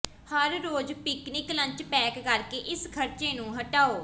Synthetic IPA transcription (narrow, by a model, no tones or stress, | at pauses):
həɾːoːd͡ʒpɪknɪklə̃ɲt͡ʃpɛːkːəɾkeːʔɪskʰəɾt͡ʃeːnũːɦəʈaːoː